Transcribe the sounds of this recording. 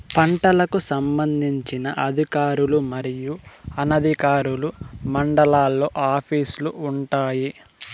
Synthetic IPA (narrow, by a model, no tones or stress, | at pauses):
pɐɳʈɐlɐkusɐmbɐnd̪ʱiɲt͡ʃinɐʔɐd̪ʱikaːɾulumɐɾijuɐnɐd̪ʱikaːɾulumɐɳɖɐlaːlːoːʔaːpʰiːsluʔuɳʈaːji